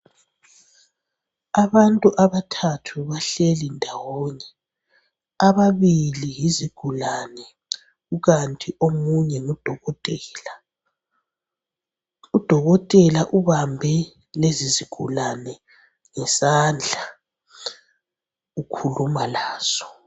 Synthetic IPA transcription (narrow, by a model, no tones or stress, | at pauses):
aβantʼuʔaβatʰatʰuβaɬelindʱawɔːɲɛ | aβaβilijiziɡ̥ʱulanɛ | ɣuɣantʼiʔomuɲɛud̥ʱɔɣɔtʼɛːla | ud̥ʱɔɣɔtʼɛlaʔuβambʱɛ | leziziɡ̥ʱulanɛ | ŋɛsand͡ɮʱa | ukʰulumalaːz̥ɔ̥